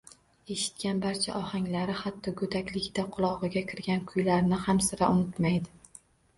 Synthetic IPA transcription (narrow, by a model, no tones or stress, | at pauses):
e̞ʃɪ̥t̪̚kʲanbaɾt͡ʃʰa̰ʔɒhaŋlaɾɪhat̪ʰːɒɡɵd̪akʲlɪkʲd̪aqʰʊlˠɒʁɨɡʲakʲʰɪɾɡʲankʰʊjlaɾnɪhamsɪɾaʔʊnɪt̪majd̪ɪ